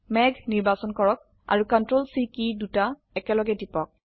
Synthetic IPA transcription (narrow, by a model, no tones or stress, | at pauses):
mɛɡʱniɹbasɔnkɔɹɔk̚ | a̰ɹukɔntɹolsikiduta | ɛkɛlɔɡɛdipɔk̚